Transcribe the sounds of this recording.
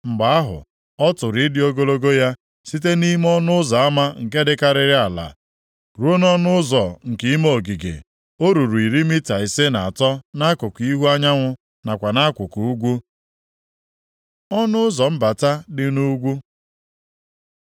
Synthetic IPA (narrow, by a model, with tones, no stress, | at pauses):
ŋ͡m̩˨ɡ͡ba˨a˦ɦʊ̰˨ | ɔ˦tʊ˨ɾi˨˦dɪ˦o˦ɡo˦lo˦ɡo˦ja˦ | si˦t̬e˦ni˦m˦ɔ˦nʊ˦ʊ˦za˨a˦ma˦ŋ̩˨ke˦dɪ˦ka˦ɾɪ˦ɾɪ˦a˨la̰˨ | ɾu˦o˦nɔ˦nʊ˦ʊ˦zɔ˨ŋ̩˨ki˦i˦moo˦˨ɡi˨ɡḛ˨ | o˦ɾu˨ɾu˨i˨ɾi˦mi˦ta˨i˨se˦na˨a˨tɔ˦na˦kʊ˨ki˦ɦu˦a˦ɲa˦ŋʷʊ˦ | na˨kʷa˨na˦kʷʊ˨ku˨u˦ɡʷu˦ | ɔ˦nʊ˦ʊ˦zɔ˨m̩˦ba˨ta˦dɪ˦nu˦ɡʷu˦